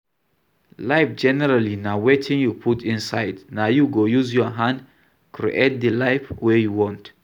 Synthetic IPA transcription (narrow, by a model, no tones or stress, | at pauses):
laɪfd͡ʒɛnɛɹalinawetʰĩŋjupʰutĩnsaɪdnaʊjuɡojuzjɔɦãnd | kɹḭʔet̚d̪əlaɪfwɛjuwɔ̃nt